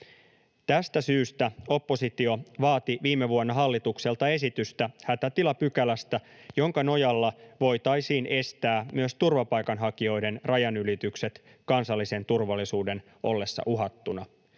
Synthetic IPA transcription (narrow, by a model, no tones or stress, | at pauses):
t̪æst̪æsyːst̪æo̞pːo̞sit̪io̞ʋɑːt̪iʋiːmːeʋuonːɑɦɑlːit̪ukse̞lt̪ɑe̞sit̪yst̪æhæt̪æt̪ilɑpykælæst̪æjo̞ŋkɑno̞jɑlːɑʋo̞jt̪ɑjsiːnʔe̞st̪æːmyøst̪urʋɑpɑjkɑnɦɑkio̞jde̞nrɑjɑnylit̪ykse̞t̪ | kɑnsɑlːise̞nt̪urʋɑlːisuːde̞n | o̞lːe̞sːɑ̰ʔuɦɑt̪ːunɑ